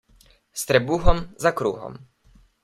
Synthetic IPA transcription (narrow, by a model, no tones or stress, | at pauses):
st̪ɾɛbuxɔmzakɾuxɔ̰m